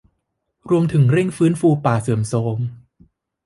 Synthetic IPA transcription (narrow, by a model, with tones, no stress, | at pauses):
ɾu˧əmt̪ʰɯ˩˦ŋɾi˥˩ŋfɯː˦˥nfuː˧paː˨˩sɤː˩˦msoː˨˦ŋ